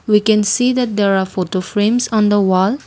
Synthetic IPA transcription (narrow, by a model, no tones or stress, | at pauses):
wikɛ̃nsid̪ɛt̚d̪eɾafoʈofɾẽmsɔ̃nd̪əwɔl